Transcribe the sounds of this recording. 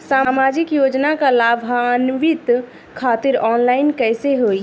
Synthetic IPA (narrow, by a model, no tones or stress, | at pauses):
saːmad͡ʒikjoːd͡ʒnakalaːbʱɦanʋit̪ | kʰaːt̪ɪɾɔːnlaɪnkɛɪseɦoi